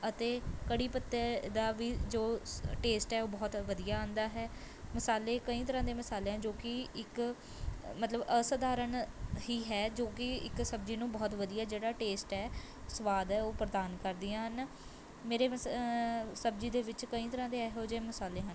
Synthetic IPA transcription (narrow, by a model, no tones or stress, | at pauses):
ət̪eːkəɽiːpət̪ːeːd̪aːʋiːd͡ʒoːʈeːsʈɛːoːbɔːt̪ʋəd̪ijaːãːnd̪aːɦɛː | məsaːleːkəĩːt̪̬əɾãːd̪eːməsaːleːãːd͡ʒoːkɪɪk | mət̪ləbəsəd̪aːɾəɳhiːɦɛːd͡ʒoːkɪɪ̰ksəb̚d͡ʒiːnũːbɔːt̪ʋəd̪ijaːd͡ʒeːɽaːʈeːsʈɛː | sʋaːd̪ɦɛːoːpɾəd̪aːnkəɾd̪ɪãːɦən | meːɾeː | səb̚d͡ʒiːd̪eːʋɪt͡ʃkəĩːt̪əɾãːd̪eːɛːɦoːd͡ʒeːməsaːleːɦən